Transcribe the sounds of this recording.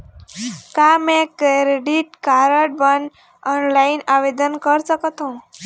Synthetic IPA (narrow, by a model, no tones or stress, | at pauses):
kamɛ̃kɾeɾeɖiʈkaɾəɽ̚bən | ɔnlainaʋed̪ənkəɾsəkət̪ɦũ